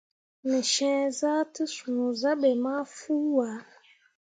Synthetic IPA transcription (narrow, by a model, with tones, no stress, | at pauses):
ni˨ʃɛ̃ː˦za˦ti˦su˨nu˨za˦ɓɛ˨ma˦fu˦wa˨˦